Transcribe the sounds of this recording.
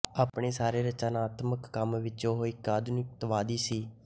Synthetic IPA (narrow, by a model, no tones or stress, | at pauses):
aːpɳeːsaːɾeːɾət͡ʃaːnaːt̪məkːəmʋɪt͡ʃõːɦoːiːkaːd̪nɪkt̪əʋaːd̪iːsiː